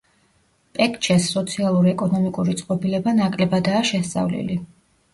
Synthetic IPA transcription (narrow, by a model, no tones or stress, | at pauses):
pʼɛkʰʼt͡ʃʰɛsːɔt̪sʰialˠuɾiɛkʼɔnɔmikʼuɾit̪sʼqʼɔbilɛbanakʼlɛbad̪aːʃɛst̪sʼa̰vlḭli